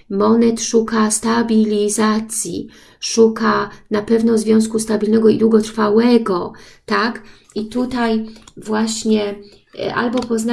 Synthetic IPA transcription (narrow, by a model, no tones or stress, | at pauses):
mɔnɛt̪ʂukast̪abʲilʲizat̪sʲjḭ | ʂukanapɛvnɔzvʲjɔ̃w̃skust̪abʲilnɛɡɔid̪wuɡɔt̪ɾfawɛɡɔt̪ak | it̪ut̪ajvwaɕɲɛ | ʔa̰lbɔpɔzna